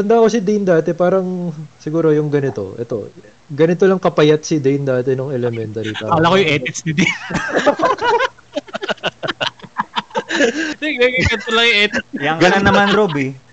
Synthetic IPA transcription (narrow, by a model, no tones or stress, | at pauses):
t̪ɐnd̪ako̞sɪd̪ind̪aːt̪ɛpaːɾɐŋsɪɡuːɾo̞jʊŋɡɐnɪt̪o̞̰ʔɛ̰t̪o̞̰ | ɡɐnɪt̪olɐŋkɐpɐjat̪̚sɪd̪ijnd̪aːt̪ɛnoŋɛlɛmɛnt̪ɐɾit̪aalakojʊŋʔɛːt̪ɪksnɪd̪in | iɡeɡɡɐnt̪olɐŋjʊʔɛːt̪ɪjɐŋɡɐnanːɐmanɾobɪ